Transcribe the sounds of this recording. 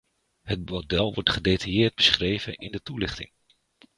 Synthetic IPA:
ɦət̚modɛlˠʋɔɹtχədejtajɪːɹd̚bəsχrejvənʔɪndətulɪχtɪ̰ŋ

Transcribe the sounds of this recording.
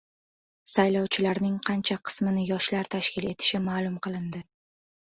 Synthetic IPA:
sajlɒwt͡ʃʰɪlaɾnɪŋqʰɑnt͡ʃʰaqʰɨ̥smɪnɪjɒʃlaɾt̪ʰaʃkʲɪle̞t̪ʰɪ̥ʃɪmalˠʊmqʰɨlˠɪnd̪ɪ

